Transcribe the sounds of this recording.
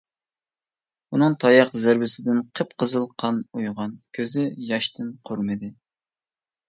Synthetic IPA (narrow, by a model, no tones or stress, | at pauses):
unɨŋt̪ʰɑjɑqzæɾbɪsɪd̪ɪnqʰəpqʰəzɨlˠqʰɑnujʁɑnkʲʰøzɪjɑʃt̪ʰɪnqʰoɾmɨd̪ɪ